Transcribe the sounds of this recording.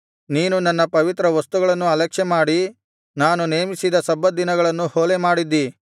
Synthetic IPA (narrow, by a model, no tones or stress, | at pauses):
niːnunɐnːɐpɐʋit̪ɾɐʋɐst̪uɡɐɭɐnːuɐlɐkʂɛmaːɽi | naːnuneːmisid̪ɐsɐbːɐd̪inɐɡɐɭɐnːuhoːlemaːɽid̪ːi